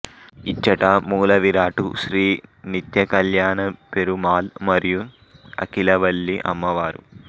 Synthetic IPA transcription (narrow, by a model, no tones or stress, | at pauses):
it͡ʃːɐʈɐmuːlɐʋiɾaːʈṵʃɾiːnit̪jɐkɐljaːnɐpeɾumaːlmɐɾiju | ɐ̰kilɐʋɐlːiʔɐ̰mːɐʋaːɾṵ